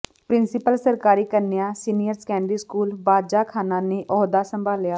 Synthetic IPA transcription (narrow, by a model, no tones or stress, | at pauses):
pɾɪ̃nsɪpəlsəɾkaːɾiːkəɾnɪjãːsiːnijəɾskɛ̃ːɳɖiskuːlbaːdd͡ʒaːkʰaːnãːneʔɔːd̪aːsə̃mbʱaːlːɪjaː